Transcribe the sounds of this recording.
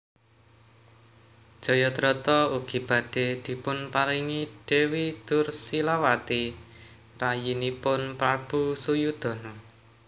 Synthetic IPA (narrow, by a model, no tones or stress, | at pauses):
d̥ʒ̥ɔ̤jɔt̪ɾɔt̪ɔuɡ̥i̤b̥ä̤ɖ̥e̤d̪̥i̤pʊnpaɾiŋiɖ̥e̤wid̪̥ʊrsilawat̪i | rajinipʊnpɾab̥ṳsujud̪̥ɔ̤nɔ